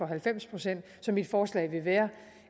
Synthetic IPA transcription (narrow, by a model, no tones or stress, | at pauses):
ɒ̽ɦælfem̰spʰʁo̝sen̰d̥sɒ̽mid̥fɒːslɛ̰ɪʋe̝ʋæːɐ